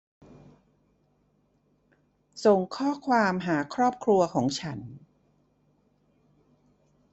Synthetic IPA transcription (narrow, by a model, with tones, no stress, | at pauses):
so˨˩ŋkʰɔː˥˩kʰwaː˧mɦaː˩˦kʰɾɔː˥˩p̚kʰɾu˧ɐkʰɔː˩˦ŋt͡ɕʰa˦˥n